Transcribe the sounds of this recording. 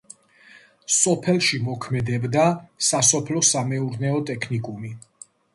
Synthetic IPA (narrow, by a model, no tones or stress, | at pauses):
sɔpʰɛlˠʃimɔkʰmɛd̪ɛbd̪asasɔpʰlɔsamɛuɾnɛɔt̪ʼɛkʰnikʼumi